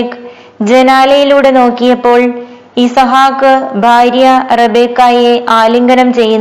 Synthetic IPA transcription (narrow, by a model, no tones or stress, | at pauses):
k | d͡ʑe̞naːlɐjiluːɽe̞no̞ːkːijɐpːo̞ːɭ | iːsɐɦaːkːɨbʱaːɾjɐrebeːkːaːjeʔaːliŋɡɐnɐmt͡ɕe̞jːunː